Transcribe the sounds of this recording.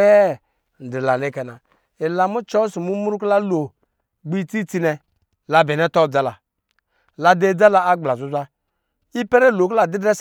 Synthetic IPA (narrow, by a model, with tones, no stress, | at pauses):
ɛ˦˨ | n̩˨di˨la˨ne˦kɛ˨na˨ | i˨la˨mu˦t͡ʃɔ˦su˨mu˦mu˦ɾu˦kla˦lo˨ | ɡ͡bi˦t͡si˦t͡si˧nɛ˧ | la˨bɛ˨nɛ˦tɔ˦˨d͡za˦la˨ | la˨de˦d͡za˦la˨a˦ɡ͡bla˨zu˦zʷa˦ | i˦pɛ˦ɾe˦˨lo˨kla˨di˦dɛ˦s